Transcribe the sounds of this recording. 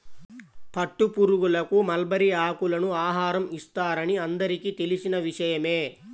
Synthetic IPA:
pɐʈːupuɾuɡulɐkumɐlbɐɾiaːkulɐnuaːɦaːɾɐmist̪aːɾɐniɐnd̪ɐɾikit̪e̞lisinɐʋiʂɐjɐme̞ː

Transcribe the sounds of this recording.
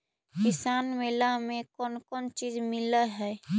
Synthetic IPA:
kɪsaːnmeːlamẽkɔːnkɔːnt͡ʃiːd͡ʒmɪləɦɛː

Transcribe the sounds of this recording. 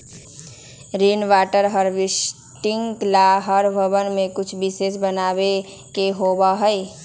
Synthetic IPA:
ɾinʋaːʈəɾɦəɾʋɪs | ʈɪŋklaɦəɾbʱəbənmẽkʊt͡ʃʰbɪses̬bənaːbe | keɦobaɦəj

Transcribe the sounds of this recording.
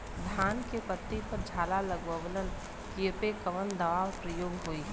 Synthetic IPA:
d̪ʱaːnkepət̪ːipəɾd͡ʒʱaːlaləɡʋəʋlən | kiepekəʋənd̪əʋaːwpɾəjoːɡɦoi

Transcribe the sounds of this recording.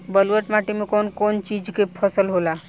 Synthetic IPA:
bəlwəʈmaʈimẽkonkont͡ʃid͡ʒkepʰəsəlɦola

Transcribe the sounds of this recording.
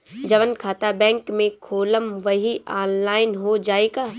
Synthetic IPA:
d͡ʑɐʋənkʰaːt̪abɛ̃ːŋkmẽkʰoːləmʋɐɦiʔaːnlaːɪnɦod͡ʒaːekaː

